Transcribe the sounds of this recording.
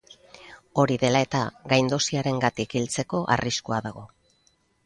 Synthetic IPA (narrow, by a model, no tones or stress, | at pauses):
o̞ɾiðe̞lae̞t̪aɡajnd̪o̞siaɾe̞ŋɡat̪ikilt͡se̞ko̞ʔa̰riskuaðaɣ̞o̞